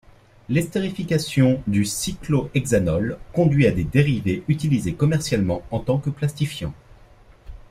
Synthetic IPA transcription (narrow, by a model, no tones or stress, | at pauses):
lɛst̪eʁifikʲasjɔ̃d̪ysikloʔɛɡzanɔlkɔ̃d̪ɥiad̪ed̪eʁiveʔyt̪ilizekɔmɛʁsjalmɑ̃ɑ̃t̪ɑ̃kəplast̪ifjɑ̰̃